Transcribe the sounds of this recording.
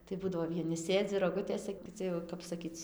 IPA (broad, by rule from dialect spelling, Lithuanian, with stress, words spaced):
tɐɪ ˈbuːdɐʋoː ʋʲiɛˈnʲɪ ˈsʲeːd͡zʲɪ roːˈɡʊtʲeːsʲɛ kʲɪˈt͡sʲɪ jɛʊ kɐp sɐˈkʲiːt͡s